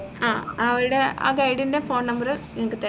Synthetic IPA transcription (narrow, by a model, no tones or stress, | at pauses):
aːɐʋɐɾuɽe̞a̰ːɡɐjɽinde̞fo̞ːnnɐmbɐrɨeŋikːɨt̪e